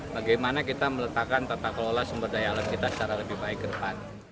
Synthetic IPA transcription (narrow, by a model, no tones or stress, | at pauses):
baɡajmanakit̪amələt̪akant̪at̪aklolasəmbərdajaalankit̪asə̥t͡ʃaɾaləbɪhbaɪk̚ɡədəpan